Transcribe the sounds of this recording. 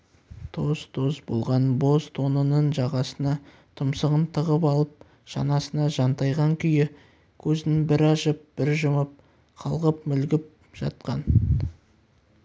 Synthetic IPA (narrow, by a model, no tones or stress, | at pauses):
t̪ʰo̞zt̪ʰo̞zbo̞̰lˠʁɑnbo̞zt̪ʰo̞nənəɴʒɑʁɑsənɑ | t̪ʰʊmsəʁənt̪ʰəʁəpɑlˠəp̚ | ʒ̥ɑ̰nɑsənɑʒɑnt̪ɑjʁɑŋkʲʰʏjɪ | kʲʰɵzɪŋbɪɾɑʃəp̚b̥ɪɾʒəməp̚ | qʰɑlˠʁəp̚mʏlɡʲɪp̚ | ʒ̥ɑ̰t̪̚qɑn